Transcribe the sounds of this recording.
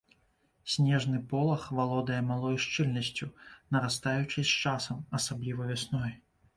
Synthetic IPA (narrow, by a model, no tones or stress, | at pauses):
sʲnʲɛʐnɨpɔlˠɐxvalˠɔd̪ɐjɛmalˠɔjʂt͡ʂɨlʲnɐsʲt͡sʲunɐɾast̪ajut͡ʂɨsʲt͡ʂasɐmɐsablʲivɐvʲasnɔj